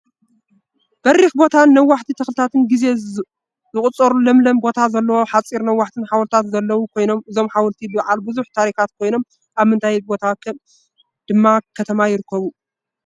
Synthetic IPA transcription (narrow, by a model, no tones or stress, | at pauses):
b̥ɐrixbo̞t̪ʰanːɐwːaħt̪ʰit̪ʰɨxlɨt̪ʰat̪ʰɨnɡize̞ | zɨkʼut͡sʼɐɾulɐmlɐmbo̞t̪ʰazɐlːɐwo̞ħat͡sʼiɾnɐwːaħt̪ʰɨnħawlt̪ʰat̪zɐlːɐwukʰo̞jno̞mɨzo̞mħawɐlt̪ʰibɨʕalbɨzuħt̪ʰaɾixat̪kʰo̞jno̞m | ʔaβmɨnt̪ʰajbo̞t̪ʰakʰɐm | d̪̥ɨmːakʰɐt̪ʰɐmajɪɾɨkʰːɐβu